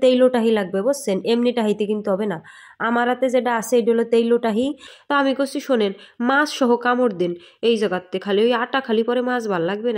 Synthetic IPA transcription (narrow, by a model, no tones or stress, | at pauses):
t̪ejloʈaɦilaɡ̚bebossenemniʈaɦijt̪ekint̪uɦɔbena | amaɾɦat̪ed͡ʑeʈaasʰeeɖolot̪ejloʈaɦit̪ɔamikosʰiʃonenmãsʃɔɦokamoɾd̪inejd͡ʑɔɡat̪ːekʰaliojaʈakʰalipɔɾemãsbʱallaɡbena